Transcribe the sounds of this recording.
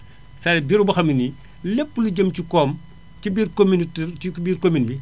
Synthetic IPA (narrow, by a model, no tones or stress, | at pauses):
sɐɛbiːɾubɐxɐmini | lepːəluɟəmcikɔːm | cibiːrkominitɛribiːrkominbi